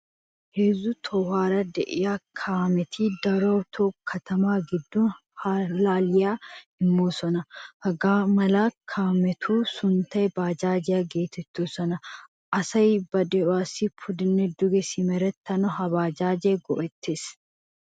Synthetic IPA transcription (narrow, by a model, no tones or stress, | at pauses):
heːzːʊt̪ʰɔwaːɾɐd̪ɛʔɪjaːkʰaːmɛt̪ʰiːd̪ɐɾoːt̪ʰokʰːɐt̪ɐmaːɡɪd̪ːʊn | halaːlɪjaːɪmːuːsɔnɐhɐɡaːmɐlaːkʰaːmɛt̪ʰuːsʊnt̪ɐʔɛbaːd͡ʒaːd͡ʒɪjaɡeːt̪ɛt̪ːuːsɔnɐ | ʔɐsɐjbɐd̪ɛɔwaːsɪpʰʊd̪ɪnːɛd̪ʊɡɛsɪmɛɾɛt̪ːɐnɔɦɐbaːd͡ʒaːd͡ʒeːɡɔʔɛt̪ːes